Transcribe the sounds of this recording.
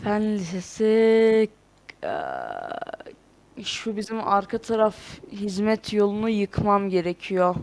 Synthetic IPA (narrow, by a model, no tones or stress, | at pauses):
fænlisesi | ʃubizimaɾkʰat̪ʰaɾafɦizmɛt̪ʰjo̞lˠunujɯkʰmamɟe̞ɾecʰijo